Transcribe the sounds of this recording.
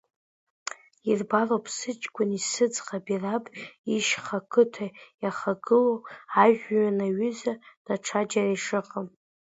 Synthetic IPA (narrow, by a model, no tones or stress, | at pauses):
irbaropʰsɨt͡ʃʼɡʷʊnisɨd͡zqabirapʼiʃχakʰɨtʰajaχaɡɨloaʒᶣɥanaɥʏzad̥aʈ͡ʂʰad͡ʒaraiʂɨqʼəm